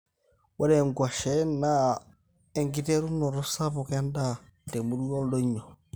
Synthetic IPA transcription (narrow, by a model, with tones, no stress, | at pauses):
wa˦ɾɛ˨ŋɡwa˨ʃɛ˨˦na˦ | ɛ˨ŋɡi˦te˦ɾu˦nɔ˨ɾo˦sa˦βɔ˨kɛ˦nda˦˨tɛ˨mu˨˦ɾu˦ɔ˦lo˦ɲɔ˨